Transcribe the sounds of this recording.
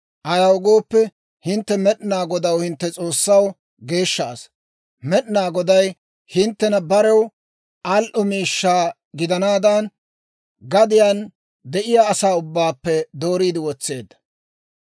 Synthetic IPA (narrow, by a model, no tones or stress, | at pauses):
ʔɐjɐwɡo̞ːpːɛ | hɪnt̪ːɛmɛɗɪnaːɡɔd̪ɐwhɪnt̪ːɛt͡sʼo̞ːsːɐw | ɡe̞ːʃːa̰ːs | mɛɗɪnaːɡɔd̪ɐj | hɪnt̪ːɛnɐbɐɾɛw | ʔɐlʔʊmiːʃːaː | ɡɪd̪ɐnaːd̪ɐn | ɡɐd̪ɪjan | d̪ɛʔɪjaːsaːʊbːaːpːɛd̪o̞ːɾiːd̪ɪwɔt͡sːe̞ːd̪ːɐ̥